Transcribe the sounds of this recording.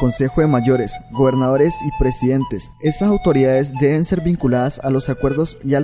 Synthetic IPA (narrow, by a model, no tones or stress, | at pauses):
ko̞nse̞xoðemaʝo̞ɾe̞sɡo̞β̞e̞ɾnaðo̞ɾesipɾe̞siðe̞nt̪e̞s | e̞st̪asawt̪o̞ɾiðaðe̞zd̪e̞βe̞nse̞ɾbiŋkulaðasalo̞sakwe̞ɾðo̞sia